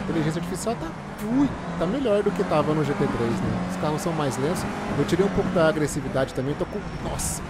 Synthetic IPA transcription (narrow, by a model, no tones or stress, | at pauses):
t̪eliʒẽs̬iaɾt͡ʃifisiawt̪a | ʒuj | t̪ameʎɔɾd̪ʊkɪt̪avɐnʊʒepet̪ɾejznɛ̰ʊskahʊssɐ̃w̃majzlẽsʊ̥sewt͡ʃiɾej̃ũpowkʊd̪ɐːɡɾesivid̪ad͡ʒɪt̪ɐ̃mbẽj̃t̪okõ | nɔs